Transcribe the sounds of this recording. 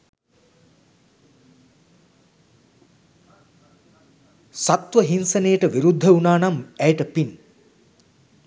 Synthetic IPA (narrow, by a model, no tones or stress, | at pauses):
sat̪ʋəɦinsɐnejəʈəʋiɾud̪ʱːəunaːnamɛjʈəpin